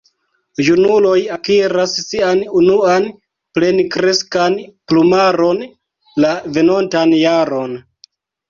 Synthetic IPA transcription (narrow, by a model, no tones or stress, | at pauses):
junulo̞jakiɾassianunuan | ple̞nikɾe̞skanplumaɾo̞n | lave̞no̞ntanjaɾo̞n